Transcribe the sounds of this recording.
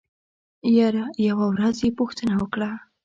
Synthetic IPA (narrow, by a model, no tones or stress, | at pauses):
jaɾajawawɾazjepʊxt̪ənawəkɽa